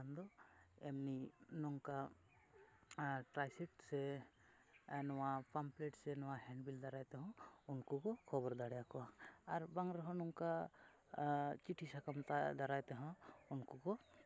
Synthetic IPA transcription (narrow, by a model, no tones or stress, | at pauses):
and̪ɔɛmninɔŋka | ʈɾajsikʈsɛ | nɔwapampleʈsɛnɔwahɛɳɖbild̪aɾajt̪ɛɦɔ̃unkɔkɔkʰɔbɔɾd̪aɽjakɔaɾbaŋɾɔɦɔ̃nɔŋka | t͡ʃiʈʰisakamt̪ad̪aɾajt̪ɛɦɔ̃unkɔkɔ